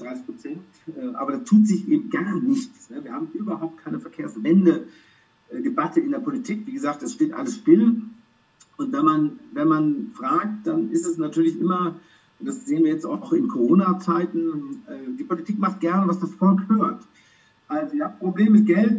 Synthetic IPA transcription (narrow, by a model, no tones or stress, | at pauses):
d̥ʁaɪsɪçpʁ̥ot͡sɛnt | ʔɛːʔaːbɐɾastʰuːtz̥ɪçʔeːbm̩ɡ̥aɐnɪçt͡snəviːɐhaːbmʔyːbɐhaʊp̚t̚kʰaɪnəfɛɐkʰeːɐsvɛndə | ʔdebatʰəɪndeɐpʰolitʰiːkv̥iːɡəzaːk̚td̥asʃteːtʔa̰ləsʃpɪl | ʔʊntvɛnmanvɛnmanfʁ̥aːk̚td̥anɪstɛsnatʰyːɐlɪçʔɪmɐ | d̥asz̥eːənviːɐjɛt͡sta̰ʊʊxɪnkʰoʁoːnat͡saɪtn̩ɛːdiːpolitʰiːkmaχt̚ɡ̥ɛɐnəvasd̥asfɔlkhøːɐt | ʔalzoɪçaːbpʁ̥obleːməmɪt̚ɡ̥ɛlt